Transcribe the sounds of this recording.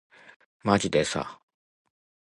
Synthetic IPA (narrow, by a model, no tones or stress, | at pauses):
mad͡ʑid̪esa̰